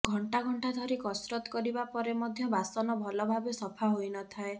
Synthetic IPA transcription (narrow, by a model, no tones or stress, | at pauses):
ɡʱɔɳʈaɡʱɔɳʈad̪ʱɔɾikɔsɾɔt̪ɔ̥kɔɾibapɔɾemɔd̪ʱjɔbasɔnɔbʱɔlɔbʱabesɔpʰaɦojnɔt̪ʰae